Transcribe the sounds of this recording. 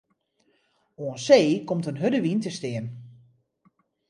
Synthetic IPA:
oənseːkomtənɦødəʋintəstɪən

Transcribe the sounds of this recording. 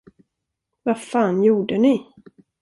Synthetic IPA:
vafɑːnjuːɖənɪ

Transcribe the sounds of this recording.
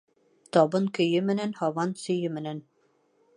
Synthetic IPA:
t̪ɒbɤŋkɵ̆jɵmɘ̆nænhɒwɑnsɵ̆jɵmɘ̆næn

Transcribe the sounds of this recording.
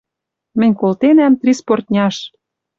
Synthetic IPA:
mɘ̆nʲkolt̪enæmt̪rʲisport̪̚ʲnʲɑʃ

